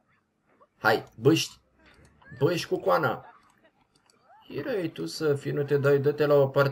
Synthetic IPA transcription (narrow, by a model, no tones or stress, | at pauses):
hajbɨʃt̪ʲ | bəʃʲkukwanə̰ | iɾejt̪usəfinut̪e̞d̪ajd̪ət̪elaopar